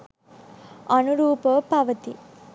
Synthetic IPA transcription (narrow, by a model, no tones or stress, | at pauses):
ɐnuɾuːpəpɐʋɐt̪i